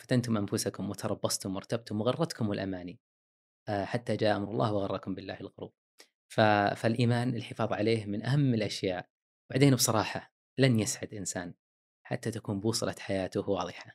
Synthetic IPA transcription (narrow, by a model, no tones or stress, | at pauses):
fḁt̪ant̪ʊmʔamfʊsakʊmwɪt̪ɑɾˤɑbːɑsˤt̪ʊmwʊɾˤt̪ab̚t̪ʊmwɪɣɑrˤːɑt̪kʊmwɪlʔamaːni | ħat̪ːad͡ʒaːʔamɾˤɑlˤːɑːhwɑɣɑrˤːɑkʊmbɪlːa̰ːhɪlɣʊɾṵːb̚ | fafalʔiːmaːnɪlħɪfɑːðˤʕaleːhmɪnʔaɦamːɪlʔaʃjaːʔ | baʕd̪eːnbsˤɑɾˤɑːħa | lanjasʕad̪ʔɪnsaːn | ħa̰t̪ːat̪akuːnbuːsˤɨlɑt̪ħajaːt̪ʊhwɑːðˤɨħa